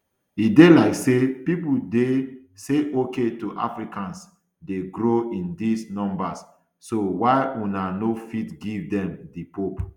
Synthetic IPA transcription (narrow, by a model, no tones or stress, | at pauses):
idelaɪksepipudeseʔoketuʔa̰fɹikãns | deɡɾoĩndisnɔ̃mbasː | owaɪunanofitɡivdɛ̃mdipop